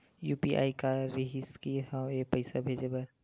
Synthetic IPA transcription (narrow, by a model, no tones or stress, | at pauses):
juːpiʔa̰ːikaɾiɦɪskiɦãeːpəɪsabʱeːd͡ʒebɐɾ